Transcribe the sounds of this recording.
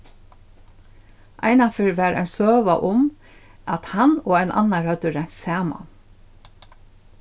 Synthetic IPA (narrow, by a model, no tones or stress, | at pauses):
ʔɑ̰ɪnafɪɹʋæɾæ̰ɪnsøːʋaʔʊm | at̪hɑnoːæɪnʔɑ̰naɹhœd̪əɾæɲ̥t̪sɑːma̰